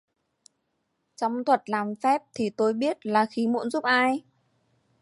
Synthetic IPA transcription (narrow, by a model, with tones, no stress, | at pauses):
t͡ɕɔ˧wŋ͡mt̪ʰwə˨˩t̚laː˨˩mfɛ˦˥p̚t̪ʰi˨˩t̪o˧jɓi˦˥ət̚laː˨˩xi˨˦mṵ˧˥nzu˦˥p̚ʔaː˧j